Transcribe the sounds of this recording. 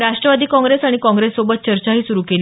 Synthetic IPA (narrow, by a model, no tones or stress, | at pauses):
ɾaʂʈɾəʋad̪iːkɔ̃ŋɡɾesaɽ̃ikɔ̃ŋɡɾesːobət̪̚t͡ɕəɾt͡ɕaɦiːsuɾuːkeliː